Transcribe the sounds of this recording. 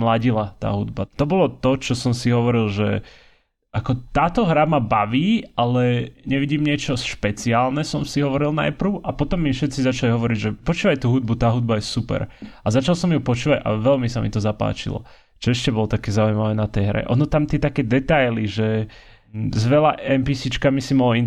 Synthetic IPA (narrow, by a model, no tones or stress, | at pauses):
mlaɟilat̪a̰ːɦud̪bat̪ɔbɔlɔt̪ɔt͡ʃɔsɔmsiɦɔʋɔɾilˠʒɛ | ʔakɔt̪aːt̪ɔɦɾamabaʋiːʔalɛɲɛʋiɟiːmɲɪɛt͡ʃɔʃpɛt͡siaːlnɛsɔmsiɦɔʋɔɾilˠna̰jpɾ̩ʊʔapɔt̪ɔmːifʃɛt̪t͡sizat͡ʃaliɦɔʋɔɾiɟʒɛpɔt͡ʃuːʋajt̪uːɦud̪̚but̪aːɦud̪̚bajɛsupɛ̰ɾazat͡ʃalˠsɔmjupɔt͡ʃuːʋaɟʔa̰ʋɛlmisamit̪ɔzapa̰ːt͡ʃḭlɔ̰ | t͡ʃɔɛʃcɛbɔlɔt̪akɛːzaujmaʋɛːnat̪ɛjɦɾɛ̰ʔɔ̰nɔt̪amt̪ɪɛt̪akɛːd̪ɛt̪ajliʒɛ | zʋɛlaʔɛmpisit͡ʃkamisimɔlɔin